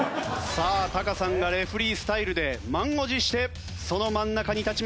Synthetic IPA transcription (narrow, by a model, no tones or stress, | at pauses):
saːt̪akasãŋɡaɾe̞ɸɯ̟ɾʲiːsɨ̥t̪aiɾɯ̟d̪e̞mãŋɡo̞ʑiɕi̥t̪e̞ | so̞no̞mãnːakaɲ̟it̪at͡ɕim